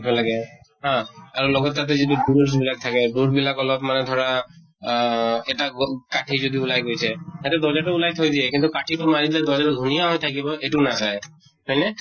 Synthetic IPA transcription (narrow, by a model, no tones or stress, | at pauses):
kʰɔlaɡɛ | ɦãaɹulɔɡɔt̪ːt̪at̪̬ɛzituɖuɾs̬bilak̚t̪ʰakɛɖuɾbilakɔlɔbmanɛd̪ʱɔɾa | eʈakaʈʰizod̪iulajɡojt͡ʃʰɛɛt̪ɛd̪ɔd͡ʒaʈɔulajt̪ʰojd̪iekint̪ukaʈʰiʈumaɾit̪lɛd̪ɔd͡ʒaɾd̪ʱunijaɦojt̪ʰakibɔʔeʈunazaj | pɔjne